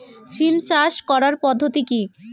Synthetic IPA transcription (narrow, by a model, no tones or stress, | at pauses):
t͡ɕʰilt͡ɕaʃkɔɾaɾpɔd̪ʱːot̪iki